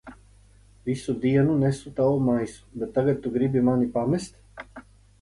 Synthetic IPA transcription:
visud̪iɛnunɛsut̪awumajsu̥bɛt̪ːaɡat̪̚ːuɡɾibimanipamɛst̪

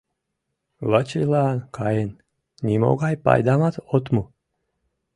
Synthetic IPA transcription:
lət͡ɕelɑnkʰɑjen | nʲimo̰ɣɑjpɑ̰jd̪ɑmɑt̪ot̪mu

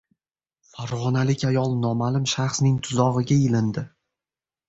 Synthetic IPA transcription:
faɾʁɒnalɪkʲajɒlˠnɒmalɪmʃaχsnɪŋt̪ʰʊzɒʁɨɡʲaɪlɪnd̪ɪ

